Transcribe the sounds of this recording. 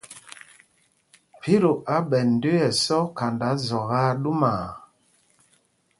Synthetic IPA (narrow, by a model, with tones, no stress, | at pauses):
pʰi˦ɾo˨ʔa˨˦ɓɛ˨n̩˨de˦ɛ˨sɔ˦ka˨nda˨˦zɔ˨ɣa˦ɗu˦ma˨